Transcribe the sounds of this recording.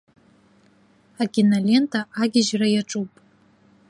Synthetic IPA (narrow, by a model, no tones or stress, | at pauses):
akʲʼinalʲe̞ntʰʼaʔaɡʲɪʒrajaʈ͡ʂʼupʼ